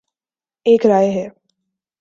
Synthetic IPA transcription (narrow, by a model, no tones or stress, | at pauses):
eːkɾaːeɦɛː